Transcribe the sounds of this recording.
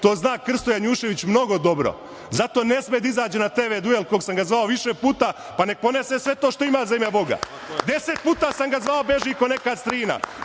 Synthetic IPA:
t̪oːznaːkr̩st̪ojaɲuːʃe̞ʋit͡ɕmno̞ɡo̞d̪o̞bɾo̰ | zat̪o̞ːne̞smed̪aizaːd͡ʑenat̪eːʋed̪uelˠkoɡsamɡazʋaoʋiʃepuːt̪a | pane̞k̚po̞nesesʋe̞t̪o̞ːʃt̪o̞imaːzemjabo̞ɡa̰ | d̪e̞set̪̚puːt̪aːsamɡazʋaobe̞ʒiiko̞nekad̪st̪ɾiːna̰

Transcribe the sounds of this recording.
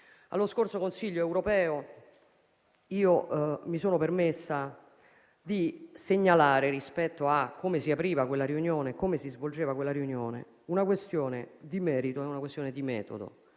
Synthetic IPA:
a̰lːoskort̪sokonsiʎːoɛwɾopɛːo | iːomisoːnopermesːa | d̪iseɲːalaːɾeɾispɛt̪ːoakʰːomesiapɾiːvakwelːaɾiunjoːnekːomesizvold͡ʒeːvakwelːaɾiunjoːnḛ | unakwest̪joːned̪imɛːɾit̪oɛunakwest̪joːned̪imɛ̰ːt̪o̰d̪o̰

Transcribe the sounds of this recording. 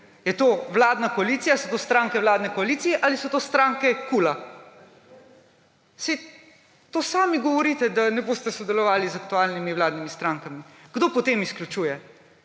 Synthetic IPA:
jɛt̪oːʋlaːd̪nakɔaliːt̪sijasɔt̪ost̪ɾaŋkɛwlaːd̪nɛkɔaliːt̪sijɛʔalisɔt̪oːst̪ɾaːŋkɛkula | sɛj | t̪oːsaːmiɡɔʋɔɾiːt̪ɛd̪anɛboːst̪ɛsɔd̪ɛlɔʋaːlizak̚t̪uaːlnimiwlaːd̪nimist̪ɾaːŋkamiɡ̥d̪opɔt̪eːmisklʲut͡ʃuːjɛ

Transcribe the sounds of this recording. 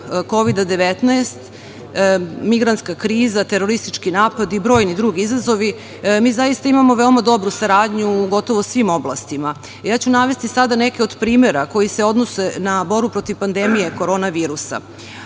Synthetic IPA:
ko̞ʋid̪ad̪e̞ʋet̪naest̪ | miɡɾant̪skakɾiːzat̪eɾo̞ɾist̪it͡ʃkinaːpad̪ibɾo̞ːjnid̪ɾuɡiizazo̞ʋi | miːzajist̪aimamo̞ʋeomad̪o̞bɾusaɾaːd̪ɲuːɡo̞t̪o̞ʋo̞sʋimo̞bla̰st̪ima | jaːt͡ɕunaʋe̞st̪isad̪ane̞keo̞d̪pɾiːme̞ɾako̞jiseo̞d̪no̞se̞nabo̞ɾbupɾo̞t̪iʋpand̪e̞mije̞ko̞ɾo̞ːnaʋiːɾusa̰

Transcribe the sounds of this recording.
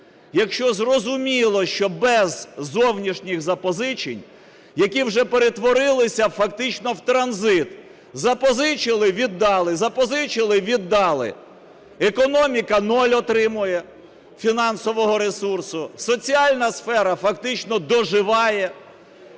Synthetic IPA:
jɐkʃt͡ʃɔzrɔzʊmʲilˠɔʃt͡ʃɔbɛzːɔwnʲiʃnʲɪɣzɐpɔzɪt͡ʃḛnʲ | jɐkʲiwʒɛpeɾet̪ʋɔɾɪlˠɪsʲɐfɐkt̪ɪt͡ʃnɔwt̪ɾɐnzɪt̪ | zɐpɔzɪt͡ʃɪlˠɪʋʲid̪ːɑlˠɪzɐpɔzɪt͡ʃɪlˠɪʋʲid̪ːɑlˠɪ̰ | ekɔnɔmʲikɐnɔlʲɔt̪ɾɪmʊjɛ | fʲinɑnsɔʋɔɦɔɾesursʊsɔt͡sʲiɑlʲnɐsfɛɾɐfɐkt̪ɪt͡ʃnɔd̪ɔʒɪʋɑjɛ

